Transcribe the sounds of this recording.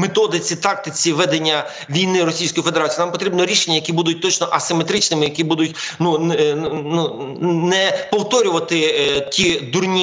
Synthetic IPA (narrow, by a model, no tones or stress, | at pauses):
met̪ɔd̪ɪt͡sʲit̪ɑk̚t̪ɪt͡sʲiʋɛd̪enʲːɐ | ʋʲijnɪɾɔsʲijsʲkɔjifed̪eɾɑt͡sʲiːnampɔt̪ɾʲibnɔɾʲiʃenʲːɐjɐkʲibud̪ʊtʲt̪ɔt͡ʃnɔʔɐsɪmet̪ɾɪt͡ʃnɪmɪjɐkibud̪ʊtʲnunnu | nɛpɔwt̪ɔɾʲʊʋɐt̪ɪtʲid̪urnʲi